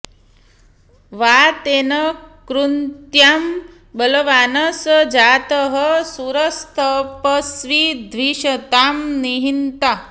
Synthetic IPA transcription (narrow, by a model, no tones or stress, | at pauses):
ʋat̪enəkɾunt̪jam | bələʋanɐsd͡ʒat̪əɦəsuɾəst̪ʰəpəsʋid̪ʱʋiʃət̪amniɦint̪a